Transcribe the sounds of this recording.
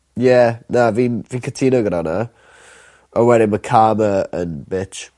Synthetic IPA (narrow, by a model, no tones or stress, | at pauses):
jɛnaviːnviːnkʰətʰiːnoɡəɾana | ənwɛɾɪməkʰaːməənbɪt͡ʃ